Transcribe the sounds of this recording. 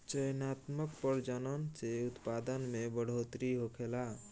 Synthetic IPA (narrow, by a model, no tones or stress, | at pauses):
t͡ʃəjnat̪məkpəɾd͡ʒənənt͡ʃeut̪pad̪ənmebəɽ̤ot̪ɾiɦokʰela